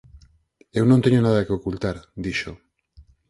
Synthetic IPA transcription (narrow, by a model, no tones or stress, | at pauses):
ewnõnt̪eɲonaðakeokult̪aɾd̪iʃo